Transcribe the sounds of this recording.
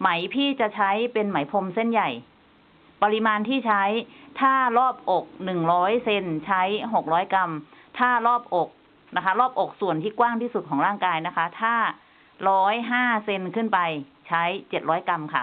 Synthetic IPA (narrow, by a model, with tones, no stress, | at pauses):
ma˩˦jpʰiː˥˩t͡ɕa˨˩t͡ɕʰa˦˥jpe˧nma˩˦jpʰo˧mse˥˩nja˨˩j | pa˧li˧maː˧nt̪ʰiː˥˩t͡ɕʰa˦˥jt̪ʰaː˥˩lɔː˥˩p̚ʔo˨˩k̚nɯ˨˩ŋɾɔː˦˥jse˧nt͡ɕʰa˦˥jɦo˨˩k̚ɾɔː˦˥jka˧mt̪ʰaː˥˩lɔː˥˩p̚ʔo˨˩k̚ | na˦˥kʰa˦˥ɾɔː˥˩p̚ʔo˨˩k̚su˨˩ənt̪ʰiː˥˩kwaː˥˩ŋt̪ʰiː˥˩su˨˩t̪̚kʰɔː˩˦ŋɾaː˥˩ŋkaː˧jna˦˥kʰa˦˥t̪ʰaː˥˩ | ɾɔː˦˥jɦaː˥˩se˧nkʰɯ˥˩npa˧jt͡ɕʰa˦˥jt͡ɕe˨˩t̪̚ɾɔː˦˥jka˧mkʰa̰˦˥˩